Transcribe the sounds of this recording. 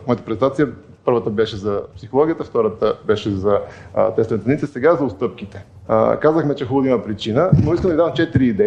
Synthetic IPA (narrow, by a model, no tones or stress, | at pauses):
mɐt̪əpɾɛzɛnt̪at̪sijə | pɤɾvət̪əbɛʃɛzɐpsixolˠɔɡijət̪əft̪ɔɾət̪əbɛʃɛzɐt̪ɛst̪vɛnt̪nit̪əsɛɡazɐʊst̪ɤp̚k̟it̪ɛ̥̰ | kazəxmɛt͡ʃɛxulˠod̪iməpɾit͡ʃinənoiskəmd̪ɐid̪avmt͡ʃɛt̪iɾiːd̪ɛ